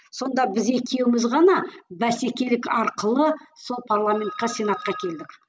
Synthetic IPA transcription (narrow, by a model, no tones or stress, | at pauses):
so̞nd̪ɑbɪze̞kʲʰe̞wɪmɪzʁɑnɑbæse̞kʲe̞lɪkɑɾqəlˠəso̞lˠpʰarlˠamʲe̞nt̪qɑsʲe̞nat̪̚qɑkʲʰe̞ld̪ɪk